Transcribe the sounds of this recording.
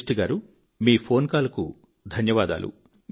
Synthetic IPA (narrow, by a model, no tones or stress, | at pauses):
ʈiɡaːɾu | miːpʰo̞ːnkaːlɐku | d̪ʱɐnjɐʋaːd̪a̰ːlʔṵ